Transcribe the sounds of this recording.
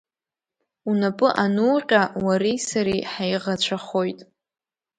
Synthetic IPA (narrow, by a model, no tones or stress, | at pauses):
unapʼɨʔanuːqʲʼawaɾijsaɾiħajʁat͡ɕʷʰaχojtʼ